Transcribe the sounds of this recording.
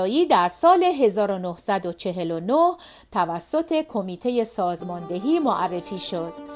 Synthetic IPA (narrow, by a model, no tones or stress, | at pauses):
jiːd̪æɾsɒːle̞ɦe̞zɒːɾo̞nohsæd̪ot͡ʃʰe̞ɦe̞lonoh | t̪ʰævæsːo̞t̪ʰe̞kʰo̞miːt̪ʰe̞je̞sɒːzmɒːnd̪e̞ɦiːmoʔærːe̞fiːʃo̞d̪̥̚